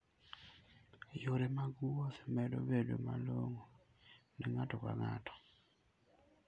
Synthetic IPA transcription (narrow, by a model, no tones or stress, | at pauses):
joɾemaɡuwɔsmɛdo̰bedomaloŋo | nɛŋatɔka̰ŋatʰɔ̥